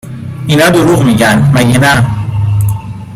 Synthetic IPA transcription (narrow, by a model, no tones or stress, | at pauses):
inaduɾukmikanmajena